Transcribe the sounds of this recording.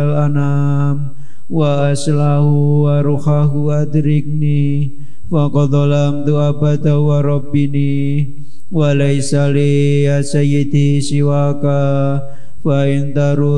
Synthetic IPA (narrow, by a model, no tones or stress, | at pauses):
lana | m | waːslaɦuwaɾuhaɦuwat̪ɾik̚ni | fakɔd̪ɔlamt̪uabad̪awaɾɔbini | walaisali | asajid̪i | siwaka | faɪnt̪aɾu